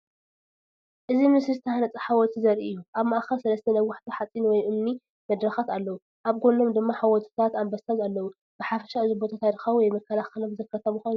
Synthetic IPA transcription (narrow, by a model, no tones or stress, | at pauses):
ʔɨzimɨsɨzɨt̪ʰɐhanɐt͡sʼɐħawɔt̪ʰizɐɾʔiɨjːuʔaβmaʔxɐlsɐlɐst̪ʰɐnɐwʊħt̪ʰiħat͡sʼːinwɔjʔɨmni | mɐd̪ɾɐxat̪alːɐwu | ʔaβɡono̞md̪ɨmːaħawɔt̪ʰi̥t̪ʰat̪ambasazalːɐwu | b̥ɨħafɐ̥ʃaɨzubo̞t̪ʰat̪ʰad̪ɨxɐwuwɔjmɐkʰːɐlaxɐlomzɐkʰːɐt̪ʰɐβuxonː